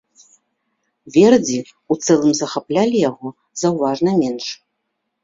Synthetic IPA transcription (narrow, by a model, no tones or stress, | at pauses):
vʲɛrd͡zʲi | ut̪sɛlˠɨmzɐxaplʲalʲijaɣɔ | zɐwvaʐnɐmʲɛnʂ